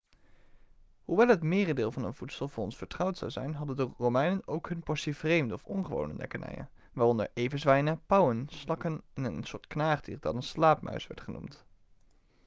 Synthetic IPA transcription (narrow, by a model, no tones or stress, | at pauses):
huʋɛlˠɦətmɪːrədɪːlˠvɑnənv̥utsəlˠvʊːɹɔnsfəɹtrɑwtsɑ̰wzɛjnɦɑdəndʊːrowmɛjnənowkɦɵnpɔɹsivrejmdəɔfɔnχəʋo̰wnə̰dɛ̰kənɛ̰jə̰n | ʋaːrɔnə̰ɹʔejvənzʋɛjnəpɑwənslɑkənɛnənsʊːɹtknaːχdḭːrdɑ̰nənslaːp̚mœ̰ɥsʋɛ̰ɹtχənṵmt